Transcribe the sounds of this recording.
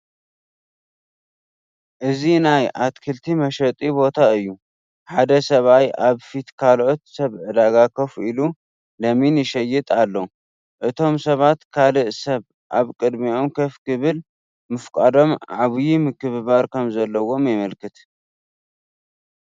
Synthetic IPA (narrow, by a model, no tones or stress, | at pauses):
ʔɨzinajʔat̪kʰɨlt̪ʰimɐʃɐt̪ʼibo̞t̪ʰaɨjːu | ħad̪ɐsɐβajaβfit̪kʰalʔo̞t̪sɐβʕɨd̪aɡakʰɐfʔilu | lɐminɪʃɐjɨt̪ʼalːo | ʔɨt̪ʰo̞msɐβat̪kʰalɨʔsɐβ | ʔaβkʼɨd̪mio̞mkʰɐfkʰɨβɨl | mɨfkʼad̪o̞mʕaβɨjimɨkʰɨβɨβaɾkʰɐmzɐlːɐwo̞mjɪmɐlkʰɨt̪